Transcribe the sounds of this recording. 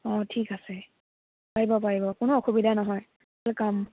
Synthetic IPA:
ɔtʰikasɛ | paɹibɔpaɹibɔkʊnʊɔxubidʱanɔɦɔj | lkam

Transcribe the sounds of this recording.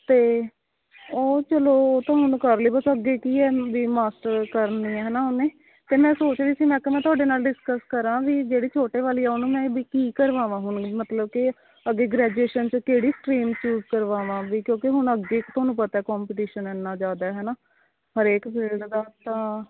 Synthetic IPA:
t̪eː | oːt͡ʃəloːt̪ãːɦʊɳkəɾliːbəsəɡːeːkiːɛːʋiːmaːsʈəɾkəɾniːɛːɦɛːnaːonẽː | t̪eːmɛ̃ːsoːt͡ʃʋiːsiːmɛ̃ːkemɛ̃ːt̪ʊaːɖeːnaːlɖɪskəskəɾãːʋiːd͡ʒeːɽiːt͡ʃʰoːʈeːʋaːliːɛːʊnũːmɛ̃ːʋiːkiːkəɾʋaːʋãːɦʊɳmət̪ləb̚kɪ | əɡːeːɡɾɛːd͡ʒueːʃənt͡ʃkeːɽiːsʈɾiːmt͡ʃuːzkəɾʋaːʋãːʋiːkjõːkɪɦʊɳəɡeːkt̪ʰoaːnũːpət̪aːɛːkɔːmpɪʈiːʃənɛːnːaːd͡ʒaːd̪aːɦɛːnaː | ɦəɾeːkbɪld̪d̪aːt̪ãː

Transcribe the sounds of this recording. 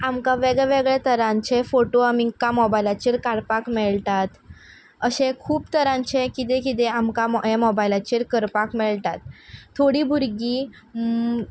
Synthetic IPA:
amkaʋeɡɭɛʋeɡɭɛt̪əɾãɲt͡ɕefoʈoamikamɔbajlat͡ɕiːɾkaɽpakmɛɭt̪at̪ | əɕẽkʰuːpt̪əɾãɲt͡ɕekit̪̬ẽkit̪̬eamkamemɔbajlat͡ɕiːɾkəɾpakmɛɭt̪at̪ʰːoɽiːbʱuɾɡiː

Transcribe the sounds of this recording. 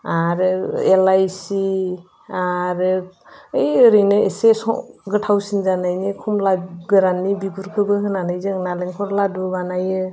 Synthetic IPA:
aɾɯelajsi | aɾɯejɯɾinɯesesɔ̰ɡɯtʰawsinzanajnikʰɔmlaɡɯɾanːibiɡuɾkʰɯbɯɦɯnanajzɯŋnaleŋkʰɔɾladubanajɯ

